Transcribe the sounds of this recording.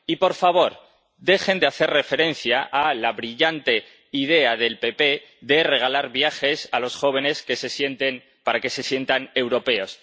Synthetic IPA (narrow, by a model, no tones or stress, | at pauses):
ipo̞ɾfaβ̞o̞ɾ | ðe̞xe̞nd̪eaθe̞rre̞fe̞ɾe̞n̟θjaʔalaβɾiʝant̪e̞ | ið̞e̞aðe̞lpe̞pe̞ | ðe̞re̞ɣ̞alaɾβjaxe̞salo̞sxo̞β̞e̞ne̞skese̞sje̞nt̪e̞n | paɾake̞se̞sje̞nt̪ane̞wɾo̞pe̞o̞s